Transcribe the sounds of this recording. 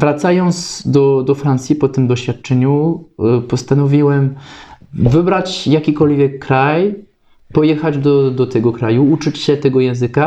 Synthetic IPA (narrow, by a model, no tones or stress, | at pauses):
vɾat̪sajɔnt̪sd̪ɔd̪ɔfɾant̪sʲjipɔt̪ɘmd̪ɔɕfʲjat̪̚t͡ʂɛɲupɔst̪anɔvʲiwɛm | vɘbɾat͡ɕjakʲikɔlvʲjɛkːɾaj | pɔjɛxad͡ʑd̪ɔd̪ɔt̪ɛɡɔkɾajuut͡ʂɘt͡ɕɕɛt̪ɛɡɔjɛ̃w̃zɘka